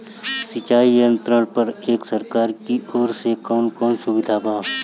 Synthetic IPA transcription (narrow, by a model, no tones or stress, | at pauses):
sɪt͡ʃaːijə̃nt̪ɾəɽ̃pɐɾeːksəɾkaːɾkiɔːɾsekɔːnkɔːnsʊbɪd̪ʱaːbaː